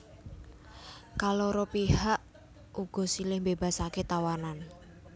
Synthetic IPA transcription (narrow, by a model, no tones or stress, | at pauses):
kaloɾopihaʔ | ʔuɡ̥ɔ̤silɪhmbeba̤saket̪awanan